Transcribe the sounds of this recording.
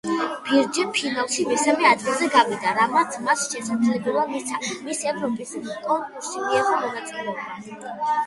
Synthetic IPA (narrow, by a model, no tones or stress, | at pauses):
b̥iɾd͡ʒɛpʰinalˠʃimɛsamɛad̪ɡilˠzɛɡavid̪aɾamat̪sʰmasʃɛsamd̪zlɛbɛlˠamisʰamisɛvɾɔpʼiskʼɔŋkʼuɾsimiɛχɔmɔnat̪sʼilɛɔba